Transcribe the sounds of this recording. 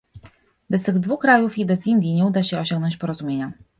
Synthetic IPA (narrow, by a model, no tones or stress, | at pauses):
bɛst̪ɘɣd̪vuxkɾajufibɛzind̪ʲjiɲɛud̪aɕɛɔɕɔ̃ŋɡnɔɲt͡ɕpɔɾɔzumʲjeɲa